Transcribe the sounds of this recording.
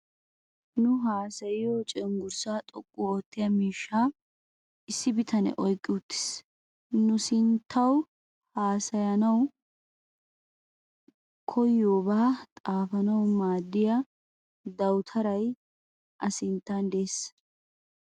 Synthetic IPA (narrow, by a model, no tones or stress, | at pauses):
nʊɦaːsɐjɪjot͡ʃʼɛŋɡʊɾsaːt̪ʼɔkʼːʊoːt̪ːɪjɐmiːʃːaː | ɪsːɪbɪt̪ʰɐnɛ̰ʔɔjkʼːɪʊt̪ːɪ̥s | nʊsɪnt̪ʰːɐw | haːsɐjɐnɐw | kʰɔjːoːbaːt̪ʼaːfɐnɐwmaːd̪ːɪjɐ | d̪ɐwt̪ʰɐɾɐj | ʔɐsɪnt̪ːɐnd̪es